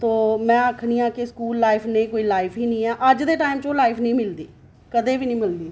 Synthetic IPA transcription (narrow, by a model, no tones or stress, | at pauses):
t̪oːmɛ̃ːəkʰniːãːkɪskuːlːaːɪpʰnẽːkoːiːlaːɪpʰiːnĩːɛːʔəd͡ʒd̪eːʈaːɪmt͡ʃõːlaːɪpʰnĩːmɪld̪iː | kəd̪eːʋiːnĩːmɪld̪iː